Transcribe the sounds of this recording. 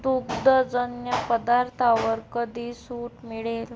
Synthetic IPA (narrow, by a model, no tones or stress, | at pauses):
d̪uɡd̪əd͡zənjəpəd̪aɾt̪ʰaʋəɾkəd̪ʱiːsuːʈmiɭel